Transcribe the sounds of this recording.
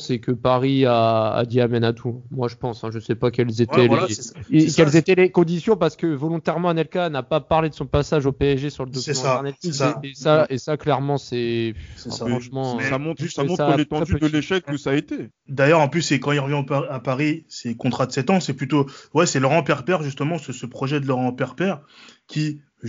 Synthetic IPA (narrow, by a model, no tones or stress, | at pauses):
sɛkəpaʁia̰ːd̪iamɛnat̪ʰuɛ̃mwaʒəpɑ̃sɛ̃ʒəsɛpakɛlzet̪ɛle | kɛlzet̪ɛlekɔ̃d̪isjɔ̃paʁsə̥kəvɔlɔ̃t̪ɛʁmɑ̃anɛlkanapapaʁled̪əsɔ̃pasaʒopeɛzʒesyʁləd̪osɛ̃aɛʁnat̪isaesaesaklɛʁmɑ̃sɛɛa̰faʁɑ̃ʃmɑ̃ɛsamɔ̃t̪χsamɔ̃tsalet̪ɑ̃ɛd̪yd̪əleʃɛkusaːet̪e | d̪ajœʁɑ̃plysːɛkɑ̃ilʁəvjɛ̃opaapaʁisɛkɔ̃t̪χad̪əsɛt̪ɑ̃sɛplyt̪owɛsɛlɔʁɑ̃pɛʁpɛʁʒyst̪əmɑ̃səsəpχɔʒɛd̪əlɔʁɑ̃pɛʁpɛʁkʲi